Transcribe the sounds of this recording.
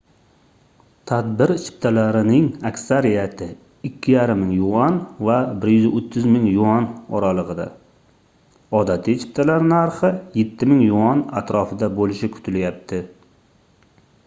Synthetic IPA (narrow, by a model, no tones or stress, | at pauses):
t̪ʰad̪bɪɾt͡ʃʰɪ̥p̚t̪ʰalaɾɪnɪŋakʲsaɾijat̪ʰɪ | ɪkʲʰːɪjaɾɪmːɪŋjʊʁɒnvabɪɾjʏzɪʔot̪ʰːɪzmɪŋjʊɒnɒɾalˠɨʁɨd̪a̰ | ɒd̪at̪ʰɪt͡ʃʰɪ̥p̚t̪ʰalaɾnaɾχɨjet̪ʰːɪmɪŋjʊɒna̰t̪ɾɒfɪd̪abolɪʃɪkʰʊ̥t̪ʰɪljap̚t̪ʰɪ